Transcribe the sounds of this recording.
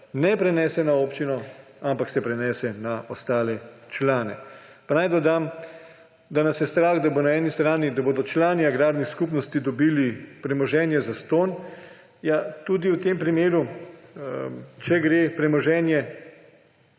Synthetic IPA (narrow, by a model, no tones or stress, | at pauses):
nɛpɾɛnɛːsɛnaoːpt͡ʃinɔampaksɛpɾɛnɛːsɛnaɔst̪aːlɛt͡ʃlaːnɛ̰panajd̪ɔd̪am | d̪anasjɛst̪ɾaːɣd̪abonaɛːnist̪ɾaːnid̪aboːd̪ɔt͡ʃlaːniaɡɾaːɾnixskuːpnɔst̪id̪ɔbiːlipɾɛmɔʒɛːnjɛzast̪oːn | jat̪uːd̪iwt̪eːmpɾimeːɾu | t͡ʃɛɡɾeːpɾɛmɔʒɛːnjɛ